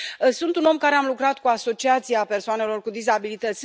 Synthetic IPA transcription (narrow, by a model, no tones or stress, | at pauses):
əsunt̪uno̞mkaɾe̞amlukɾat̪kuaso̞t͡ʃiat̪sieape̞rsoane̞lo̞rkud̪izabilit̪ət̪sʲ